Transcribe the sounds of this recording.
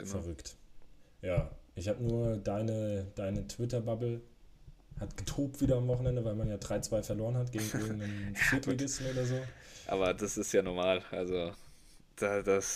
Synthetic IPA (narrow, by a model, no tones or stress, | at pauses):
fɛɐʁʏkt | jaːʔɪçhaːbənuːɐdaɪnəd̥aɪnətʰv̥ɪtɐbabl̩ | hatɡ̥ətʁ̥uːp̚tv̥iːdɐamvɔχn̩ɛndəvaɪlmanjaːdʁaɪt͡sv̥aɪfɛɐloːɐʁənɦatɡ̥eːɡŋ̩ʔɪɐɡŋ̩nənfɪɐtleɡɪstn̩oːdɾɐzoːʔa̰ːbɐdasɪstjaːnɔɐmaːlʔa̰lzo | d̥adas